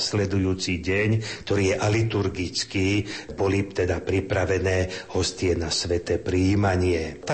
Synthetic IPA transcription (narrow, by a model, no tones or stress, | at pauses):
slɛd̪ujuːt͡siɟɛɲkt̪ɔɾiːjɛʔalit̪uɾɡit͡skiːbɔlit̪ɛd̪apɾipɾaʋɛnɛːhɔst̪ɪɛnasʋɛt̪ɛpɾiːmaɲɪɛt̪a